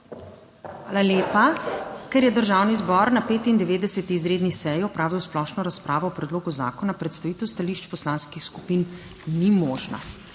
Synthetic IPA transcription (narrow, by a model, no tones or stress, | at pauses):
xʋaːlaljeːpakɛɾjɛd̪əɾʒaːwnizbɔɾnapeːt̪ind̪ɛʋeːd̪ɛsɛt̪iːzɾeːd̪nisɛjiɔpɾaːʋiwsplɔʃnɔɾaspɾʔaːʋɔwpɾɛd̪loːɡuza̰ːkɔnapɾɛt̪st̪aʋiːt̪ɛwst̪aliʃt͡ʃpɔslanskixsku̥pin | nimɔːʒna̰